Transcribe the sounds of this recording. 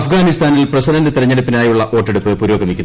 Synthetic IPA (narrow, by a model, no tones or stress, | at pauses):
ɐfɡaːnist̪aːnilprɐsɐlɐndet̪iɾɐɲːeɽupːinaːjuɭːɐʔo̞ːʈːeɽupːɨpuːɾo̞ːɡɐmikʲːun